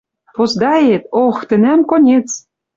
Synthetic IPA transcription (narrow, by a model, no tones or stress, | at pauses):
pozd̪ɑjet̪oxt̪ɘ̆næmkonʲet͡s